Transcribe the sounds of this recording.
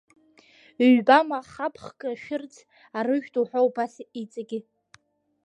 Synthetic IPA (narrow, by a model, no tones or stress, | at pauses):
ɥbamaχapʰχkʼaʃᶣɪrt͡sʰ | arɨʒᶣdʼuħʷowbasit͡sʼaɡʲi